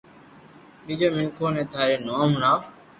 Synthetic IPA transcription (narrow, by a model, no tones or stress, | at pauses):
ɓiːd͡ʒoːmɪŋkʰoːnẽːt̪ʰaːɾeːnoːmɳaː